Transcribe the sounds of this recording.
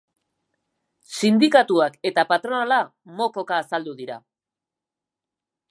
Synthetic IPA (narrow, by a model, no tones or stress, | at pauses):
sind̪ikat̪uake̞t̪apat̪ɾo̞nalamo̞ko̞kaːsald̪uðiɾa̰